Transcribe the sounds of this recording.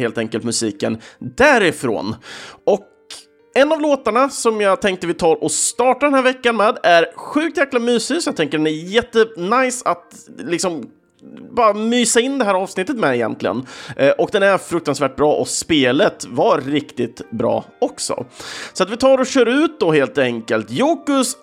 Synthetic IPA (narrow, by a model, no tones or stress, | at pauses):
eːlt̪ɛŋkəlt̪mɵsiːkənd̪æɾɪfɾo̰ːnɔk | ɛnːavloːt̪aɳasɔmjɑːt̪ʰɛŋk̚t̪əvɪt̪ʰɑːɾʔɔst̪ɑːʈad̪ɛnæːɾvɛkːanmɛːd̪æɾɧʉ̟ːk̚t̪jæːklamyːsɪɡsɔjat̪ʰɛŋkːəɖɛnæjɛt̪ːənajsat̪lɪksɔm | bɑːɾamyːsaɪnd̪ɛɦæːɾɑːvsnɪt̪ːət̪mɛɪjɛ̰nt̪lɪɡə̰nʔʔɔkd̪ɛnæɾfɾɵk̚t̪ansvæːʈ̚bɾɑːʔɔspeːlət̪vaɾɾɪkt̪ɪt̪bɾɑ̰ːɔksɔ̰sɔat̪vɪt̪ʰɑːɾɔɕœːɾʉ̟ːt̪̚d̪ɔɦeːlt̪ɛŋkəlt̪juːkɵs